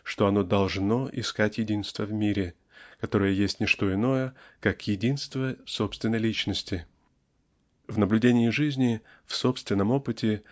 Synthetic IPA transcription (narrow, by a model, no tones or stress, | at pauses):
ʂt̪oɐno̞d̪ɐlˠʐno̞ʔɪ̰skatʲjɪdʲinst̪vəvmʲiɾʲɪ | kɐt̪o̞ɾəjəjesʲtʲnʲɪʂt̪o̞ɪno̞jəkakjɪdʲinst̪vəso̞pst̪vʲɪnːəjlʲit͡ɕnəsʲtʲɪ | vnəblʲʉdʲenʲɪɪʐɨzʲnʲɪ | fso̞pst̪vʲɪnːəmo̞pɨtʲɪ